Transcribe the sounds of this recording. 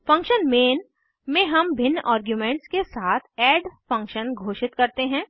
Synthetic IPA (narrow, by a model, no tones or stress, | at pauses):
fɐ̃ŋkʃənmeːn | mẽɦɐmbʱɪnːʔaːɾɡjumẽːɳʈskesaːt̪ʰɛːɖfɐ̃ŋkʃənɡʱoːʃɪt̪kɐɾt̪eɦɛ̃ː